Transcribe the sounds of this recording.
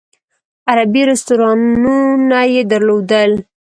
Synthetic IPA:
aɾabiɾɪst̪uɾɑnunajed̪əɾlod̪əl

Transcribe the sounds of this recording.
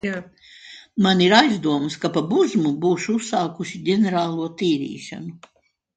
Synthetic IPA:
a | maniɾajzd̪uɔmskapabuzmubuːʃuusːaːkuʃiɟʲenʲeɾaːlˠuɔt̪iːɾḭːʃa̰nu

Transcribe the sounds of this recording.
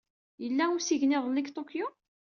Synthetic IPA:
jəlːæʊɾsiʝnɪðˤlːikt̪ˤokju

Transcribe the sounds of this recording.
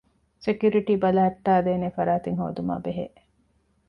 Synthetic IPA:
sekjuɾiʈiːbɐlaːɐʈːaːd̪eːnefɐɾaːt̪iŋɦo̰ːd̪uma̰ːbeɦḛː

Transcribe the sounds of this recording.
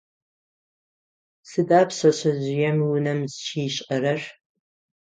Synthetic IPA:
sɨdaːpʰɕɐɕɐʑɪjɛmwʊnɐmzʃʰiːɕʼɐɾɐr

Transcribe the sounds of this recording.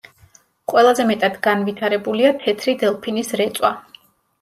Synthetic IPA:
qʼwɛlˠazɛmɛt̪ʼad̪ɡanvit̪ʰaɾɛbuliat̪ʰɛt̪ʰɾid̪ɛlˠpʰinisɾɛt̪sʼwa

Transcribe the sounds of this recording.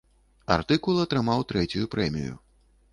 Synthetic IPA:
a̰rt̪ɨkulˠɐt̪ɾɨmawt̪ɾɛt͡sʲujupɾɛmʲḭjṵ

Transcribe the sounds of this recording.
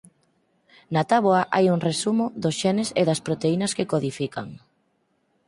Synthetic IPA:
nat̪aβoɐʔajuŋresumʊðʊsʃɛnɪseðɐspɾot̪einɐskekoðifika̰ŋ

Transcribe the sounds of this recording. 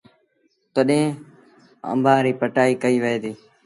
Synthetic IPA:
t̪əɗẽ | ə̰̃mbʱaːɾiːpəʈaːiːkəiːʋəeːd̪iː

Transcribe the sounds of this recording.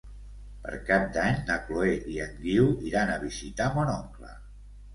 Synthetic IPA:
pə̰ɾkap̚d̪aɲnəkloeiəŋɡiwiɾanəβizit̪amɔnɔŋklə̰

